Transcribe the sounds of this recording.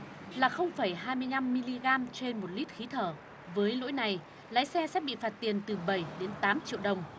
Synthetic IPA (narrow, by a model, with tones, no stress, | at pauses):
laː˨˩xə˧wŋ͡mfə˧˩jɦaː˧jmɨ˧əjna˧mːi˧li˧ɣaː˧mt͡ɕe˧nmo˨˩t̚li˦˥t̚xi˨˦t̪ʰəː˧˩ | vəː˨˦jlo̰˧˥jna˨˩j | la̰ː˧˥jsɛ˧sɛ̰˦˥ɓḭ˧˨faː˨˩t̚t̪i˨˩ənt̪ɨ˨˩ɓə˧˩jɗe˨˦nt̪aː˨˦mt͡ɕḭ˧˨əwɗə˨˩wŋ͡m